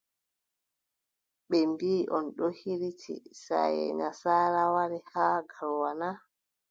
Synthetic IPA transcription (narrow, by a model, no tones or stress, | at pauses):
ɓɛmbiːʔɔnɗɔhiɾitʰḭsa̰jɛ̰ɲasaːɾawaɾɛhaːɡalwana